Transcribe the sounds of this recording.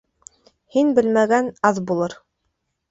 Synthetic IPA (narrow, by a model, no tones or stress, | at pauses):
hinbɘ̆lmæɡænɑðbulˠɤɾ